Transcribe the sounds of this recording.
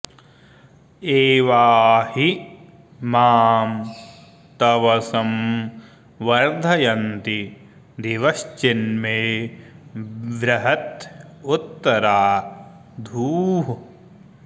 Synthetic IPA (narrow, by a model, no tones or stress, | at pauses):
eːʋaːhi | maːm | t̪ɐʋɐsɐm | ʋɐɾd̪ʱɐjɐnt̪i | d̪iʋɐst͡ʃinmeː | ʋɾɐɦɐt̪ut̪ːɐɾaː | d̪ʱuːɦu